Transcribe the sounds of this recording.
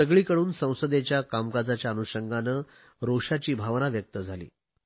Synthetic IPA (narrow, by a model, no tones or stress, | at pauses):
əɡɭiːkəɽuːnsə̃w̃səd̪et͡ɕjakamkad͡zat͡ɕjaːnuɕəŋɡanə | ɾoʂat͡ɕiːbʱaʋnaʋjək̚t̪əd͡zʱalḭː